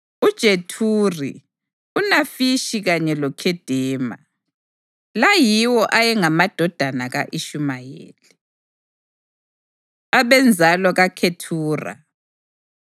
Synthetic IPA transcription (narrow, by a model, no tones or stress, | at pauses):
ud̥ʒ̥ʱetʰurḭ | unafiʃiɣaɲɛlɔkʰɛd̥ʱɛːma̰ | lajiwɔʔajɛŋamad̥ʱɔd̥ʱanaɣaʔiʃumajḛːli | aβɛnd͡zʱalɔɣakʰetʰuːra̰